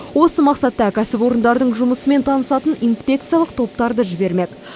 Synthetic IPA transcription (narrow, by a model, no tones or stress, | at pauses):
wo̞səmɑqsɑt̪ːɑkʲʰæsɪpo̞ɾənd̪ɑɾd̪əɴʒʊməsəme̞nt̪ʰɑnəsɑt̪ənijnspʲe̞k̚t̪sɨjalˠəq̚t̪ʰo̞p̚t̪ɑɾd̪əʒɪbe̞ɾme̞k̪